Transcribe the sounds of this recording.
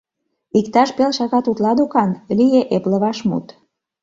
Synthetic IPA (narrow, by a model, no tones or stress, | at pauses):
ikt̪ɑʃpelʃɑɣɑt̪ut̪lɑd̪ukɑnlijeʔeplə̆βɑʃmṵt̪